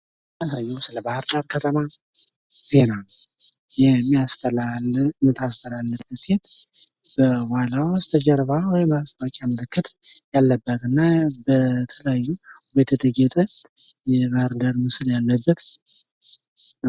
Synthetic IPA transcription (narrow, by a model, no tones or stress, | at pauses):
asajːɛsɨləbahɾd̪aɾkʰət̪ʰəma | z̥e̞nanjɛmːijast̪ʰəlalmɨt̪ʰast̪ʰəlalːɨtkɨset̪b̥əwanawst̪ʰəd͡ʒɛɾβawɔjmbast̪ʰʼat͡ʃʼaməlɨkʰːɨt̪jalːəbːət̪ɨnːabət̪ʰələjajːubet̪ʰət̪ʰəd͡ʒet̪ʼəjɛbahɾd̪aɾmɨsɨljalːəbːət̪ | n